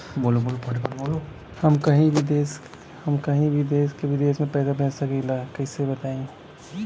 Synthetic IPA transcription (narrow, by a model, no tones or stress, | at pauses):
boːloboːlopʰɐʈkɐɾbolo | hɐmkɐɦĩʋʱɪd̪eːs | hɐmkɐɦĩbʱɪd̪eːskeʋɪd̪eːsmẽpɛːd̪abɛ̃ːssɐkelaːkɐisebɐt̪aːẽ